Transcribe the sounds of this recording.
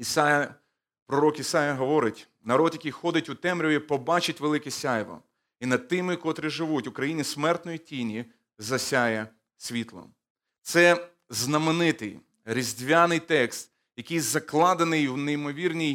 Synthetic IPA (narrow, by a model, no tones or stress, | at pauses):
isajɐ | pɾɔɾɔkisɑjɐɦɔʋɔɾɪtʲ | nɐɾɔd̪jɐkʲijxɔd̪ɪtʲʊt̪ɛmɾʲʊipɔbɑt͡ʃɪtʲʋelˠɪkɪsʲajʋɔ̰ | inɐd̪̚t̪ːɪmɪkɔt̪ɾɪʒɪʋutʲʊkɾɐjinʲisʲmɛrt̪nɔjitʲinʲi | zɐsʲajɐ | sʲʋʲit̪lˠɔ̰ | t̪sɛ | znɐmɪnɪt̪ɪj | ɾʲizʲdʲʋʲanɪjt̪ɛkst̪ | jɐkɪjzɐklˠɑd̪ɐnɪjwneimɔʋʲirnʲij